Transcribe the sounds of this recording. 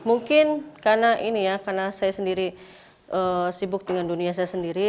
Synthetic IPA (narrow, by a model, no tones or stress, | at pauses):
muŋkɪnkarnaʔinijakarnasajasəndiɾi | ʔəsibʊk̚dəŋandunias̬ajasəndiɾi